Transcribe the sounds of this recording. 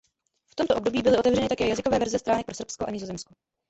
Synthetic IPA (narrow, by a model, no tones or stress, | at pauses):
ft̪omt̪o̞ʔobdo̞biːbɪlɪʔo̞t̪ɛvrɛnɪt̪akɛːjazɪkovɛːvɛɾzɛst̪ɾaːnɛk̚pɾo̞sr̩pskoʔaɲɪzo̞zɛmsko